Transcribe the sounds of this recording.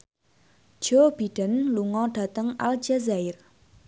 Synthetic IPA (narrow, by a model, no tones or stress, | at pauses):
ʒ̥ob̥iɖ̥ə̤nluŋɔɖ̥a̤t̪əŋʔa̰ld͡ʒazaɪr